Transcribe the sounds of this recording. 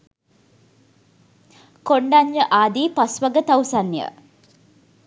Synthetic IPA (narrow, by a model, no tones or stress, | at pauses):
koɳɖaɲːəʔaːd̪iːpasʋɐɡət̪ɐwsanːjə̰